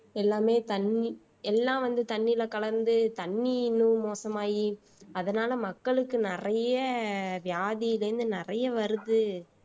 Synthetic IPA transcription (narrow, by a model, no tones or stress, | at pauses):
ɛlːaːmeːt̪ɐnːi | ɛlːãːʋɐnd̪ɯt̪ɐɳːɪlɐkɐɭɐɾnd̪ɯt̪ɐɳːinɯ̃moːsɐmaːji | ɐðɐnaːlɐmɐkːɐɭɯkːɯnɪrɐjɐʋɪjaːðɪjɪlɐɾɯnd̪ɯnɪrɐjɐʋɐɾɯðɯ